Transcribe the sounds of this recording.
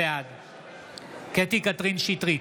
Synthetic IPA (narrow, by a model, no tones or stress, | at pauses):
ead̪ | ket̪ikat̪ʁinʃit̪ʁi